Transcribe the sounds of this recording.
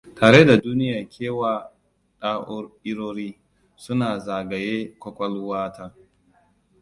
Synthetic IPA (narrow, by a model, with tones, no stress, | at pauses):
tʰaː˨ɽe˦da˨duː˦nɪ˦jaː˨kʲʰeː˦waː˨ | ɗaː˦ʔʊ˦rʔɪ˦ɾoː˦ɾiː˦ | sʊ˦naː˨zaː˨ɡɐ˨jeː˦kʷɔ˦kʷɔ˦lwaː˦tʰaː˦